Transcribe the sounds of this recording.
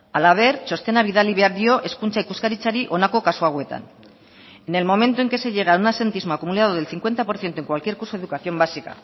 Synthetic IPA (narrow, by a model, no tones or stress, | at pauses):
alaβ̞e̞ɾt͡ʃo̞st̪e̞naβiðaliβaɾðjo̞ʔe̞skunt͡ʃaikuskaɾit͡ʃaɾiʔo̞nakokaswaɣ̞we̞t̪a̰n | e̞ne̞lmõ̞mẽ̞nt̪oe̞ŋke̞se̞ʎe̞ɣ̞aunase̞nt̪izmoakumulaðoðelθiŋkwe̞nt̪apo̞ɾθje̞nt̪oe̞ŋkwalkje̞ɾkuɾsoeðukaθjo̞mbasika̰